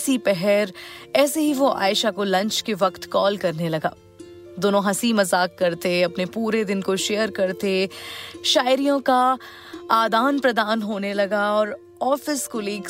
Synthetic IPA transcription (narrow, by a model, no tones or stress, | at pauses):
sipɛɦɛɾɛːseɦiʋoʔa̰ːɪʃakolɐ̃ɲt͡ʃkeʋɐkt̪kɔːlkɐɾnelɐɡa̰ː | d̪oːnõɦɐsimɐzaːkːɐɾt̪eɐpnepuːɾed̪ɪnkoʃeːjəɾkɐɾt̪e | ʃaːɪɾijõka | aːd̪aːnpɾɐd̪aːnɦoːnelɐɡaɔːɾ | ɔːfɪskoliːk